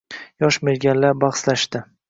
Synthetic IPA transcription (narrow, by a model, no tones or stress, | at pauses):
jɒʃmeɾɡʲanlaɾbɑχslaʃt̪ɪ